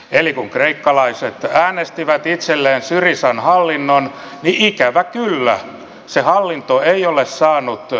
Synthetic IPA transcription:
elikuŋkreikːɑlɑiset̪æːnest̪iʋæt̪it̪selːeːnsyrisɑnhɑlːinːon | niʔikæʋækylːæ̰ | sehɑlːint̪oeiolessɑːnut̪

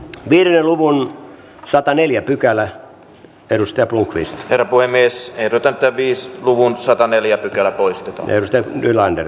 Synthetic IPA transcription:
ʋiːɾeneluʋun | sɑt̪ɑneljæpykælæ | eɾust̪ɑjɑpluŋkʋḭst̪herːɑpuhemːieseierut̪ːɑnt̪ːæʋʋiːsluʋunsɑt̪ɑneljæpykælæpoist̪et̪ɑ̰eɾust̪ɑjɑnylɑndḛr

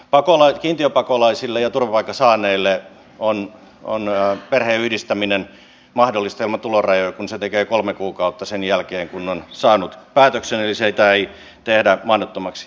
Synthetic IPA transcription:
pɑkolɑikiːnt̪iøpɑkolɑisilːejɑt̪urʋɑpɑikːɑsɑːnˑeilːe | on | o̰nperheːyhdist̪æminen | mɑhdolːist̪elmɑt̪ulorɑjojɑkunset̪ekeːkolmekuːkɑut̪ːɑsenjælkeːŋkunːonsɑːnut̪pæːt̪økseneliseit̪æei | t̪ehdæmɑinot̪ːomɑks

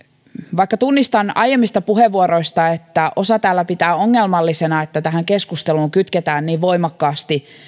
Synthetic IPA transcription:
ʋɑikːɑt̪unːist̪ɑnɑjemːist̪ɑpuheʋːuoɾo̞ist̪ɑet̪ːæʔo̞sɑt̪æːlːæpit̪æːo̞ŋːelmɑlːisenɑet̪ːæt̪æɦæŋkeskust̪eluːŋkyt̪ket̪æːnniːʋʋo̞imɑkːɑːst̪i

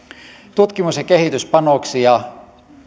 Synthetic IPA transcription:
t̪ut̪kimusjɑkeɦhit̪yspɑnoksijɑ

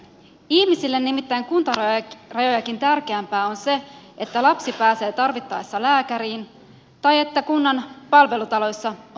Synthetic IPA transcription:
ihmisilːenːimit̪ːæjŋkunt̪ɑrɑjo̞jɑk̟int̪ærk̟eæmpæːo̞nse̞ʔe̞t̪ːælɑpsipæːse̞ːt̪ɑrʋit̪ːɑjsːɑlæːkæɾiːn | t̪ɑje̞t̪ːækunːɑnpɑlʋe̞lut̪ɑlo̞jsːɑ

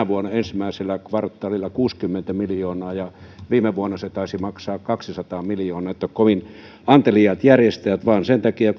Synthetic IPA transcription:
æʋuonɑensimæˑiselːækʋɑrt̪ːɑlilːˑɑkuːskymːent̪æmiljoːnɑːjɑʋiːmeʋuonːɑset̪ɑˑisimɑksɑːkkɑksisɑt̪ɑːmiljoːnɑet̪ːækkoʋin | ɑnt̪eliɑt̪jærjest̪ææt̪ʋɑːnsent̪ækiɑ

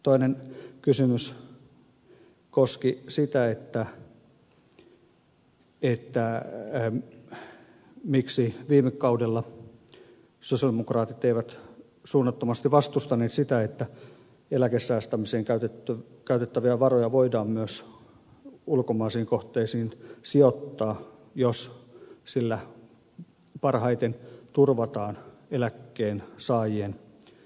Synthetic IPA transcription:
t̪oinenkysymys | koskisit̪æet̪ːæ | et̪ːæ | miksiʋiːmekːɑudelːɑ | sosiɑldemokrɑːt̪it̪eiʋæt̪ | suːnːɑt̪ːomɑst̪iʋɑst̪ust̪ɑneːt̪sit̪æet̪ːæ | elækesːæːst̪æmiseːŋkæyt̪et̪ːkæyt̪et̪ːæʋiæʋɑrojɑʋoidɑːmmyøs | ulkomɑːsiːŋkoht̪ˑeːsiːnsiot̪ːɑːjossilːæ | pɑrhɑit̪ent̪urʋɑt̪ɑːnelækːeːnsɑːjien

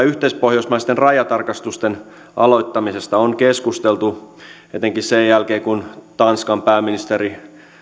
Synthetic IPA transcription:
yht̪eispohjosmɑist̪enrɑjɑt̪ɑrkɑst̪ust̪en | ɑ̰lo̞it̪ːɑmisest̪ɑoŋkeskust̪elt̪u | et̪eŋkissejjælkeːkunt̪ɑnskɑmpæːminist̪eɾi

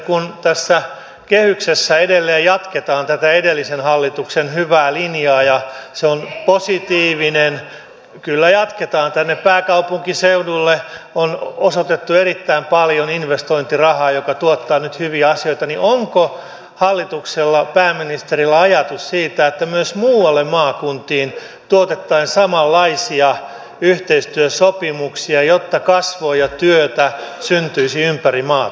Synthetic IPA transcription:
kunt̪æsːæ | kehyksesːæedelːeːjjɑt̪ket̪ɑːnt̪æt̪æedelːisenhɑlːit̪uksenhyʋæːlinjɑːjɑseonposit̪iːʋinen | kylːæjɑt̪ket̪ɑːnt̪ænːeppæːkɑupuŋkiseudulːeonosot̪et̪ːuerit̪ːæimpɑljoninʋest̪oint̪irɑhɑːjokɑt̪uot̪ːɑːnyt̪hyʋiæɑsioit̪ɑniʔoŋko | hɑlːit̪ukselːɑpæːmːinist̪erilːæɑjɑt̪ussiːt̪æet̪ːæmyøsmuːwɑlːemmɑːkunt̪iːn | t̪uot̪et̪ːɑːnsɑmɑlːɑisiɑ | yht̪eist̪yøsopimuksiɑjot̪ːɑkɑsʋoːjɑt̪yøt̪æ | synt̪yisiympærimɑː

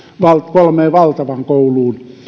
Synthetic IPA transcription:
ʋɑlt̪kolmeːʋɑlt̪ɑʋɑŋkouluːn

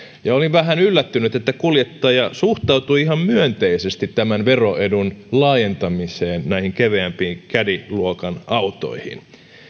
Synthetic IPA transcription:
jɑoliʋʋæɦænylːæt̪ːynyt̪et̪ːækuljet̪ːɑːjɑsuht̪ɑut̪uiihɑmmyønt̪eisest̪it̪tæmænʋeroʔedunlɑːjent̪ɑmiseːnnæihiŋkeʋeæmpiːŋkædiluokɑnɑut̪o̰ihḭn

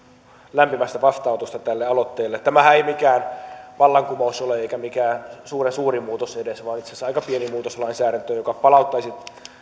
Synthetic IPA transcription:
læmpimæst̪æpɑst̪ɑut̪ust̪ɑt̪ælːeɑlot̪ːeːlːet̪t̪ːæmæhæeimikæːnʋɑlːɑŋkumousoleeikæmikæːnsuːresuːrimuːt̪osedesʋɑːnit̪sesɑikɑpienimuːt̪oslɑinsæːɾænt̪øjokɑpɑlɑut̪ːɑisit̪

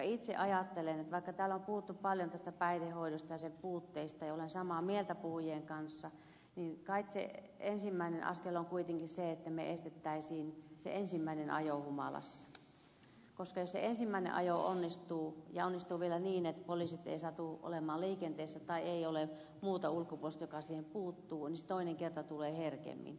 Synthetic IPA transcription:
ɑit̪sḛʔɑjɑt̪ːelenet̪ʋɑikːɑt̪æːlompuhut̪ːuppɑljont̪æst̪æpæitehoiɾost̪ɑjɑsepuːt̪ːeist̪ɑjɑolensɑmɑmielt̪æpuhujeːŋkɑnsːɑ | ninkɑiksḛ | ensimːæinenʔɑ̰skeloŋkuit̪eŋkiseet̪ːæmḛʔest̪et̪ːæisiːnsḛʔensimːæinenʔɑ̰johumɑ̰lɑ̰sːɑ̥ | koskɑjossḛensimːæinḛʔɑ̰joo̰nːist̪uːjɑonːist̪uːʋielæniːnet̪polisit̪ḛisɑt̪uʔo̰lemɑːlliːkent̪eːsːæt̪ɑieiole | muːt̪ɑulkːopuolst̪jokɑsiːhempuːt̪ːuːniset̪oineŋkert̪ɑt̪uleːherkḛmːḭn

